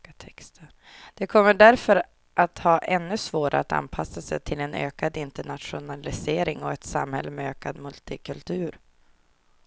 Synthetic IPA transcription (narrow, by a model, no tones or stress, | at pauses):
t̪ʰɛkst̪ʰə | d̪̥ɛkʰɔmːəɖæɾfœɾ | ʔat̪hɑːʔɛnːɵsvoːɾʔa̰ɾat̪a̰npʰasːasɛ̰jt̪ʰɪlɛnø̰ːkad̪ɪnt̪əɳat̪ɧʊnalɪseːɾɪŋɔɛt̪sa̰mhɛ̰lːəmɛøːkad̪mɵlt̪ɪkʰɵlt̪ʰʉ̟ːɾ